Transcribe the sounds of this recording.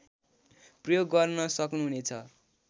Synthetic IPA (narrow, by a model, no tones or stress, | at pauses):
prʌjoɡːʌrnʌsʌknuɦunet͡sʰʌ̰